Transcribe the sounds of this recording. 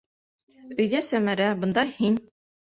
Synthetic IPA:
ɵ̆jðæsæmæɾæbɤ̆nd̪ɑhin

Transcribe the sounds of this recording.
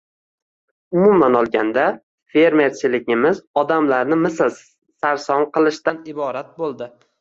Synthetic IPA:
ʊmʊmanɒlˠɡʲand̪a | fe̞ɾme̞ɾt͡ʃʰɪlɪɡʲɪmɪzɒd̪amlaɾnɪmɪsl | saɾsɒnqʰɨlˠɪʃt̪anɪbɒɾat̪̚bolˠd̪ɪ

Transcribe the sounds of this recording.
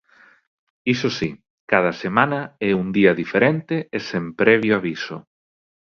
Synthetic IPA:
isosi | kaðɐsemãnɐɛund̪iɐðifeɾent̪eːsempɾɛβ̞joaβiso̰

